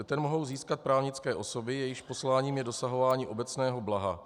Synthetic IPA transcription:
t̪ɛnmo̞ɦo̞wziːskat̪̚pɾaːvɲɪt͡skɛːʔo̞sobɪjɛjɪʃpo̞slaːɲiːmjɛdo̞saɦo̞vaːɲiːʔo̞bɛt͡snɛːɦo̞blaɦa̰

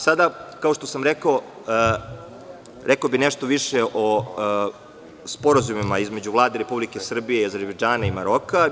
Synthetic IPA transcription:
sad̪akao̞ʃt̪o̞samɾekao | ɾʔekaobineʃt̪o̞ʋiʃeʔo | spo̞ɾazumimaizme̞d͡ʑuvlˠaːd̪eɾe̞publike̞sr̩bije̞iaze̞ɾbed͡ʒaːnaimaɾo̞ka

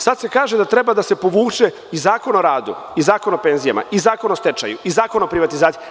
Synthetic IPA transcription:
sad̪se̞kaːʒe̞d̪at̪ɾe̞bad̪ase̞po̞ʋuːt͡ʃe̞ | izaːko̞noɾaːd̪ṵ | izaːkonope̞nzija̰ma̰izaːkonost̪et͡ʃa̰juizaːkonopɾiʋat̪izaːt̪sii

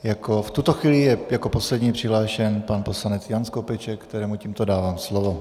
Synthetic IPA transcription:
jakoft̪ut̪o̞xviːlɪjɛjako̞po̞slɛdɲiːpr̥ɪɦlaːʃɛnpanposlanɛt͡sjanskopɛt͡ʃɛkkt̪ɛɾɛːmuciːmt̪odaːvaːmslovo̞

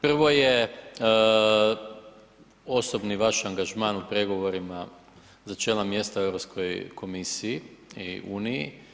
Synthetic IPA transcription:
pr̩ʋo̞je | o̞so̞bniʋaʃaŋɡaʒmaːnupɾe̞ɡo̞ʋo̞ɾima | zat͡ʃeːlamje̞st̪ae̞ʋvɾopskʰo̞jkʰo̞misijiḭuːnijḭ

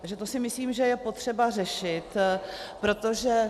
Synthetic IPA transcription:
ʒɛt̪o̞sɪmɪsliːmʒɛjɛpo̞t̪r̝̥ɛbar̝ɛʃɪt̪pɾo̞t̪o̞ʒɛ

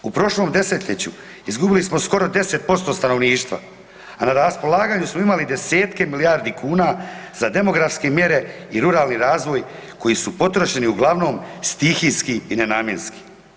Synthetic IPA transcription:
upɾo̞ʃlo̞md̪e̞se̞t̪ʎet͡ɕṵ | izɡubilismo̞sko̞ɾo̞d̪e̞se̞t̪̚po̞st̪o̞ːst̪ano̞ʋniːʃt̪ʋa̰ | anaɾaspo̞lˠaːɡaːɲusmoimalid̪e̞se̞ːt̪kemilijaːɾd̪ikʰuːnaːz̥ad̪e̞mo̞ɡɾafskemje̞ɾe̞iɾuɾaːlniɾaːzʋo̞jko̞jiːsupo̞t̪ɾo̞ʃe̞niuɡlˠaʋno̞ːmst̪ixiskiinenaːmje̞nski̥

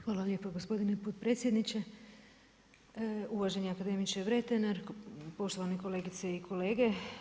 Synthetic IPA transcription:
xʋaːlalʎe̞ːpoɡospo̞d̪inepot̪̚pɾe̞ːt̪sje̞d̪nit͡ɕe | uʋaʒeɲeakad̪e̞mit͡ʃeʋɾe̞t̪enaɾpo̞ʃt̪o̞ʋaneko̞le̞ːɡit̪seikʰo̞leːɡe̞

